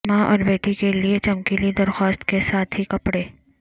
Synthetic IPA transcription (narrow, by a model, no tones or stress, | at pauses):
mãʔɔ̰ːɾbeːʈikeliet͡ʃɐmkilid̪ɐɾxɔːst̪kesaːt̪ʰɦikɐpɽeː